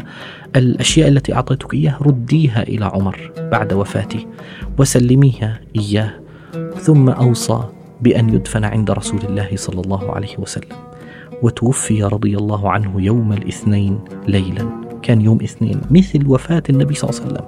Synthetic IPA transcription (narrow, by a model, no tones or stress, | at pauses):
ʔalʔaʃjaːʔalːat̪iʔɑ̰ʕt̪ˤɑːt̪ʊ̥kʔɪjːaːhɾˤʊd̪ːiːɦaʔɪ̰laʕʊmɑɾˤb̥aʕd̪wafa̰ːt̪i | wɪsalːɪmiːhaʔɪjːaːh | θʊmːaʔɑwsˤɑ̰ː | bɪʔanjʊd̪fanʕɪ̰nd̪aɾˤɑsuːlɪlːaːhɪsˤɑlːɑlˤːɑːhʊʕa̰la̰jhɪwasalːam | wɪt̪ʊwʊfːɪjaɾˤɑd̪ˤɨjalˤːɑːɦʊʕanhʊjawmalʔɪθnajnlajlankʰaːnjoːmʔɪθnḛːnmɪθlwafaːt̪anːabijsˤɑlːsalːa̰m